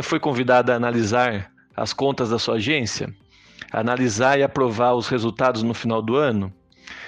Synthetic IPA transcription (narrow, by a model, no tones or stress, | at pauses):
ɐfojkõvid̪ad̪ɐɐːnalizaɾ | ɐ̰skõnt̪ɐzd̪ɐsuɐaʒẽsjɐ̰ː | nalizaɾɪapɾovaɾʊshezuwt̪ad̪ʊznʊfinawd̪ʊɐ̃nʊ